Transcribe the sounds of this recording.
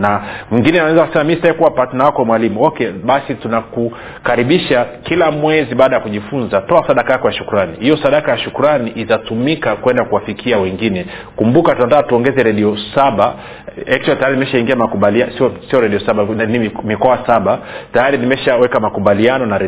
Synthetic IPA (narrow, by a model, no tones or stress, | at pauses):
namwiŋɡinɛnaɛzakasɛmamistaɛkuwapatinawakɔmwalimuɔkɛɓasitunaku | kaɾiɓiʃakilamwɛziɓaːɗajakuʄifunzatɔasaɗakajakɔjaʃukuɾanihijɔsaɗakajaʃukuɾaniʔitatumikakwɛndakuwafikiawɛŋɡinɛ | kumbukatunatakatuɔŋɡɛzɛɾɛɗiɔsaɓa | ɛk̚twaltajaɾinimɛʃaiŋɡiamakuɓaliasiɔsiɔɾɛɗiɔsaɓanimikɔasaɓatajaɾinimɛʃawɛkamakuɓalianɔnaɾɛ